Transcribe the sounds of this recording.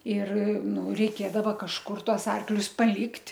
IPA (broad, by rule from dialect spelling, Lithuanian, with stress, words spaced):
ɪr ˈnʊ rʲɛɪˈkʲeːdɐʋɐ kɐʃˈkʊr ˈtuɔs ˈɐrklʲʊs pɐˈlʲɪktʲ